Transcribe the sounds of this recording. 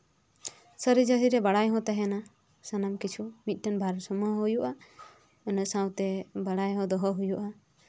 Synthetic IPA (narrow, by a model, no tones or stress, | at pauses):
səɾid͡ʒəɦiɾɛbaɽajɦɔ̃t̪aɦɛna | sanamkit͡ʃʰumit̪̚ʈənbʱaɾsɔmɔɦujuʔa | nəsawt̪ɛbaɽajɦɔ̃d̪ɔɦɔɦujuʔa